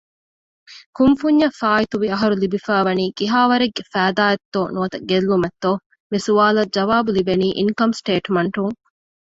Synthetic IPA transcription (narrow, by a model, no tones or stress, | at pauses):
kumfuɲːɐfaːit̪uʋiɐɦɐɾulibifæːʋɐniːkiɦaːʋɐɾeɡːefæːd̪aːjɐt̪ːoːnuɐt̪ɐɡelːumet̪ːo | misuaːlɐd͡ʒɐʋaːbulibeniːʔiŋkɐmsʈeːʈmɐɳʈuŋ